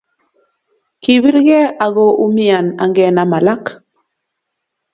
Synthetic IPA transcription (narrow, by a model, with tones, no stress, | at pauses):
ki˨βi˦ɾɣɛ˦a˨ɣo˦˨ʔu˦mi˦a˨na̰˨ŋɡɛ˨na˨ma˨la˦k